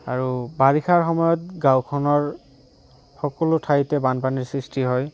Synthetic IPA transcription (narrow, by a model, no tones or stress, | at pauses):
a̰ɹubaɹikʰaɹxɔmɔjɔtɡãwkʰɔnɔɹ | xɔkɔlotʰajtɛbanpaniɹsɹistiɦɔj